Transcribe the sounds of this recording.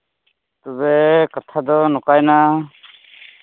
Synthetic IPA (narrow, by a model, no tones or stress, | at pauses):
t̪ɔbɛkat̪ʰad̪ɔnɔkajna